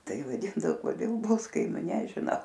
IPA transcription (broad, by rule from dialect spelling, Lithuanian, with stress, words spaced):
ˈtɐɪ ʋɐˈdʲɪndɐoː koːˈdʲeːlˠˈblˠʊskɐɪmʲʊ nʲɛʒʲɪˈnɐʊ